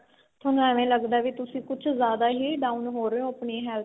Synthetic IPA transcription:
t̪ʰʊnɛːʋẽːləɡd̪aːʋiːt̪ʊsĩːkʊt͡ʃʰzjaːd̪aːɦiːɖaːunɦoːɾeõːəpɳĩːɦɛːl

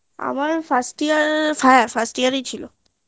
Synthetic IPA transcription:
a̰maɾfʰasʈiəɾfʰajəɾfʰasʈijaɾet͡ɕʰilo

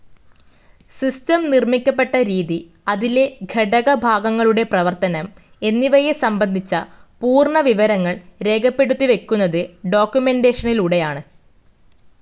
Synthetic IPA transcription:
sistɐmnirmikʲːɐp̬ːe̞ʈːɐɾiːði | ɐðile̞ɡʱeɽɐɣɐbʱaːɡɐŋːɐɭuɽe̞prɐʋɐrt̪ɐnɐm | e̞nːiʋɐjesɐmbɐnd̪ʱit͡ɕːɐpuːrɳɐʋiʋɐɾɐŋːɐɭɾe̞ːɡɐpːe̞ɽut̪ːiʋe̞kʲːunːɐðɨɖo̞ːkʲːjume̞nde̞ːʂɐniluɽe̞jaːɳɨ

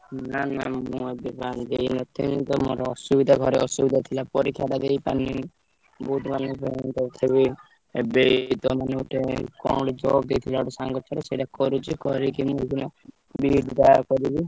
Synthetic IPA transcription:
nana̰mũebiband̪ejnɔt̪ʰint̪ɔmo̰ɾɔɔsubid̪ʱaɡʱɔɾeɔsubid̪ʱat̪ʰilapɔɾikʰːjat̪ad̪ejpani | bud̪ʱmanepeint̪ɔt̪ʰeβi | bet̪ɔmaneoʈekɔɽɔd͡ʒɔɡ̚d̪ejt̪ʰilaoʈɔsaŋɡɔt͡ʃʰɔɾɔseʈakɔɾut͡ʃʰikɔɾikimũikinɔ | biɖd̪akɔɾibi

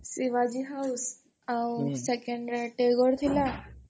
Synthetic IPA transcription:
siʋad͡ʑiɦaus | awsekeɳɖɾaʈeɡɔɾt̪ʰila

